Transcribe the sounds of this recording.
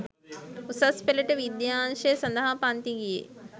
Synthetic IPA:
usɐspeleʈɐʋid̪jaːnʃesɐ̃nd̪ɐɦapãːnt̪iɡijḛː

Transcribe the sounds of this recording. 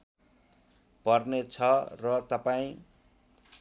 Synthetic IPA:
pʌrnet͡sʰʌrʌt̪ʌpaĩ

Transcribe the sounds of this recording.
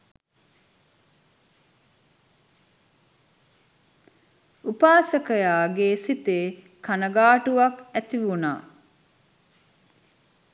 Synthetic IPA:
upaːsəkəjaːɡesit̪eː | kanəɡaːʈuʋɐkæt̪iʋuna̰ː

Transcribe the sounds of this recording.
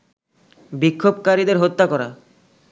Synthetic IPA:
bikʰːobkaɾid̪eɾɦot̪ːakɔɾa̰

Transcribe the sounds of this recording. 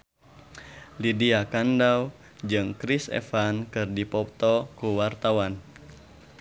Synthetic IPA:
lidiakandaw | d͡ʒɨŋkɾisɛ̰fankɨrdipɔp̚t̪ɔkuwart̪awan

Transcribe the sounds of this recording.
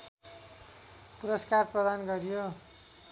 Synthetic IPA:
puɾʌskarprʌd̪anɡʌrjo

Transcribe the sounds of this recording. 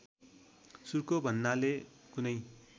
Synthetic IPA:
surkobʱʌnːalekunʌj

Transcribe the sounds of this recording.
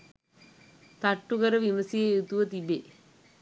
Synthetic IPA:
t̪ɐʈːuɣɐɾɐʋimɐsijeet̪uʋɐt̪ibe

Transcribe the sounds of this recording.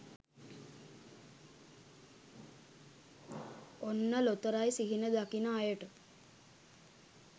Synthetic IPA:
onːəlot̪əɾajsiɦinəd̪akinəajəʈə

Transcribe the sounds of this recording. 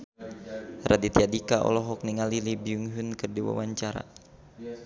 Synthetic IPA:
rʔadit̪iadikaʔɔ̰lɔɦɔk̚niŋalilibiuŋɦunkɨrdiwa̰waɲt͡ʃaɾa̰

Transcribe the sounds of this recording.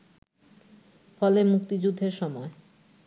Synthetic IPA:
fɔlemuk̚t̪id͡ʑud̪ʱːeɾʃɔmɔe

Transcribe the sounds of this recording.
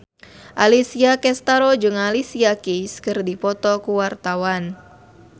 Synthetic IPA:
ʔalisiakɛst̪aɾɔd͡ʒɨŋalisiakiskɨrdipɔt̪ɔkuwart̪awan

